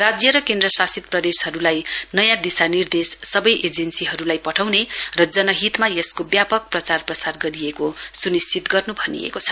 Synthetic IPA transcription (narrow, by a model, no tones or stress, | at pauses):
rad͡zjʌɾʌkend̪rʌsasit̪̚prʌd̪eshʌɾulajnʌjãd̪isanird̪esːʌbʌjʔed͡zensiɦʌɾulajpʌʈʰawnerʌd͡zʌnʌɦit̪majeskobjapʌk̚prʌt͡sarprʌt͡sarɡʌɾiekosunist͡sit̪ɡʌrnubʱʌnḭḛkot͡sʰʌ̥